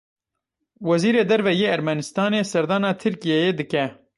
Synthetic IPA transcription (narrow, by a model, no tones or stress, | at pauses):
wɛziːɾeːd̪ɛɾvɛjeːæɾmɛnɨst̪ɑːneːsɛɾd̪ɑːnɑːt̪ʰɨɾkijɛjeːd̪ɨkɛ